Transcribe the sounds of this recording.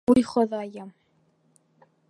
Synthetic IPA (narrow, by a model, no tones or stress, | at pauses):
ujχŏðɑjɤm